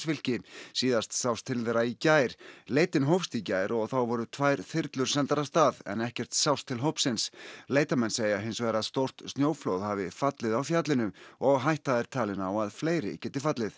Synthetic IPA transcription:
svɪl̥cɪsiːðast̪sawst̪ʰːɪlðeːɾaicaːjɾ̥leːjt̪ɪnɦowfst̪icaːjɾɔɣθawvɔɾʏt̪ʰvajɾ̥θɪɾt̪lʏɾ̥sɛnt̪aɾast̪aːðɛ̰nɛhcɛr̥t̪sawst̪ʰːɪlɦowpsɪnsleːjt̪amɛnseːjaɦejnsvɛɾaðst̪owr̥t̪st̪njoːwflowðhavɪfat̪lɪðawfjat̪lɪnʏɔɣɦajht̪aðɛɾ̥t̪ʰaːlɪnawaðfleːjɾɪ̰cɛːt̪ɪfat̪lɪθ

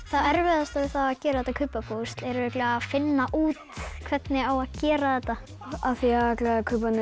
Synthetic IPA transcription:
θaðɛɾvɛðast̪avɪθaacɛːɾaðɛt̪ːakʰʏːpapʰowst̪lɛɾvɪhklɪfɪnːaʔuːt̪kʰvɛt̪nɪawaðcɛːɾaðɛt̪ːa | aθiaaklakʰœːpanɪ

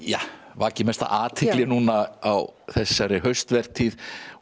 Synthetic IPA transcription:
ja̰vaːcɪmɛst̪a̰ʔaːt̪ʰɪklɪnuːnaawθɛsːaɾɪɦœɥst̪vɛɾ̥t̪ʰið

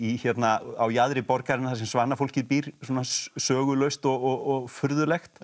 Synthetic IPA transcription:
içɛt̪naawjaðɾɪpɔɾkaɾɪnaθasɛmsvaːnafowl̥cɪðpiːɾ̥swɔːnasœːɣʏlœɥst̪ɔɣɔɣɔɣfʏɾðʏlɛxt̪

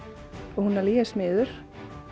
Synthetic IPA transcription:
ɔhunːaɾliːɛsmɪːðʏɾ̥

